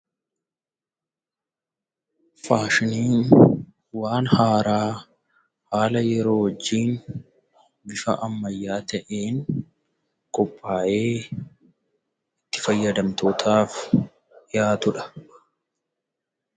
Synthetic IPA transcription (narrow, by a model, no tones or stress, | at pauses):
faːʃɪniːn | waːnhaːɾaː | haːlɐjɛɾoːwɔd͡ʒːiːn | bɪfɐ̰ʔɐmːɐjːaːt̪ɐʔeːŋ | kʼɔpʼːaːʔe̞ː | ɪt̪ːɪ̥fɐjːɐd̪ɐmt̪oːt̪ʰaːf | jaːt̪ʊᶑɐ̥